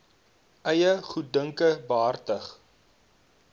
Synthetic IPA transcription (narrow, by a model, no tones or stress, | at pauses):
ʔɐjəχut̚dəŋkəbəɦɐrtəχ